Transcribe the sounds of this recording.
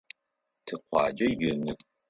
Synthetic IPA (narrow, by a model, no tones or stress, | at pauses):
tʰɨqʷʰɑ̰ːd͡ʒʼɐjɨnɨ